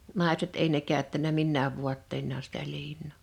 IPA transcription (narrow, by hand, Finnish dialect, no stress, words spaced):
nɑˑeset eˑi ne kæˑøtːænæ minːæːʋ ʋuɑtːeinːɑː sitæ liːnˑoˑ